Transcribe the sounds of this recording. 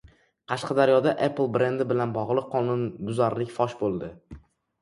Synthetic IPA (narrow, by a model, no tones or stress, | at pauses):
qʰɑʃqʰɑd̪aɾjɒd̪aʔeplˠbɾe̞nd̪ɪbɪlanbɒʁlˠɪqʰːɒnʊndʊzaɾlɪkʲfɒʃbolˠd̪ɪ